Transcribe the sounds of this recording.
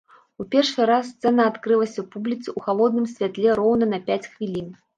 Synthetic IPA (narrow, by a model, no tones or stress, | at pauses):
upʲɛrʂɨɾasːt̪sɛnɐːt̪kɾɨlˠɐsʲɐpublʲit̪sɨuxalˠɔd̪̚nɨmsʲvʲat̪lʲɛɾɔwnɐnɐpʲat͡sʲxvʲilʲin